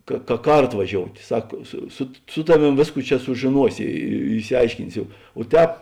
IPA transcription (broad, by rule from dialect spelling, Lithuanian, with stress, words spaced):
kɐ kɐ ˈkɐrtoː ʋɐˈʒʲoːʊtʲ ˈsɐk sʊ sʊt sʊ ˈtɑːˌʋʲeːm ˈʋʲeːsˌkuː ˈt͡ʃʲɛ sʊʒʲeːˈnuɔsʲɪ ɪ ɪʃʲsʲɪˈɐɪʃʲkʲɪnʲsʲoː oː ˈtʲɛːp